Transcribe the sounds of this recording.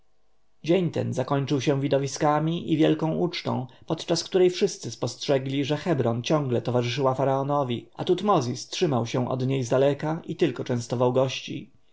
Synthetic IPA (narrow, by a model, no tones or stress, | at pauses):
d͡ʑeɲt̪ɛ̰nzakɔɲt͡ʂɘwɕɛ̃w̃vʲid̪ɔvʲiskamʲiʔivʲjɛlkɔ̃w̃ʔut͡ʂt̪ɔ̰̃w̃pɔt̪t͡ʂaskt̪uɾɛjfʂɘst̪sɘspɔstʂɛɡlʲiʐɛxɛbɾɔnt͡ɕɔ̃ŋɡlɛt̪ɔvaʐɘʂɘwafaɾaɔnɔvʲiʔa̰t̪ut̪mɔzʲistʂɘmawɕɛ̃ʔɔ̰d̪ɲejzd̪alɛkaʔit̪ɘlkɔt͡ʂɛ̃w̃st̪ɔvawɡɔɕt͡ɕḭ